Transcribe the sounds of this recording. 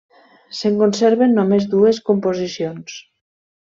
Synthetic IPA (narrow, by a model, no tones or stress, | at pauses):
seŋkonseɾβenːomezd̪ueskompozisjons